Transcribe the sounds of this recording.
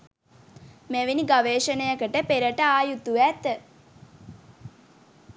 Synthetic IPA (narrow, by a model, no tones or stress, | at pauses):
meʋiniɡaʋeːʃənəjəkəʈəpeɾəʈəaːjut̪uʋæt̪ə